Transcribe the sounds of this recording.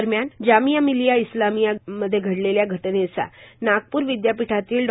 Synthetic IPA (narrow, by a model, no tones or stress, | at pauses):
ɾmjand͡ʑamijamilijaislamijaməd̪ʱːjeɡʱəɽleljaɡʱəʈnet͡sa̰naɡ̚puːɾʋid̪japiʈʰat̪iːlɖ